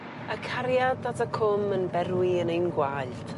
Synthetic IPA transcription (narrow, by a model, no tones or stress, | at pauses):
akʰaɾjadatʰakʰʊmənbɛɾwiənejnɡwajld̥